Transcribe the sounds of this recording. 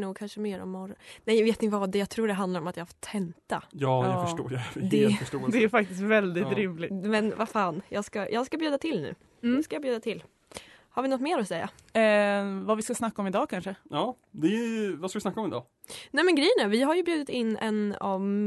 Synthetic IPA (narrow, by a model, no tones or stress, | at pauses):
nuːɡ̚kʰanʂəmeːɾɔ̰mːɔɾɔnɛjaveːt̪ɪnt̪əvad̪ɛjɑɡt̪ʰɾuːɖɛɦand̪aɾɔmat̪jɑːhafɔ̥t̪ʰːɛnt̪ajɑːd̪ɛfʂo̰ːjd̪ɛfəʂoːd̪ɛæɾfak̚t̪ɪst̪vɛld̪ɪt̪ɾɪmlɪmɛnvafaːnjɑːɡskajʔɑːɡskabjʉːd̪at̪ʰɪlnʉ̟̰ː | skajɑːbjʉːd̪at̪ʰɪlː | haɾvɪnɔt̪ːmeːɾɔsɛjːa̰ | vavɪskasnakːaɔmɪd̪ɑːkʰanʂəɑː | d̪ɛvaskavɪsnakːaɔmɪd̪ɑ̰ː | nɛjmɛnɡɾɛjːənævɪɦajɵbjʉ̟ːd̪ɪt̪ɪnːɛ̰nɔv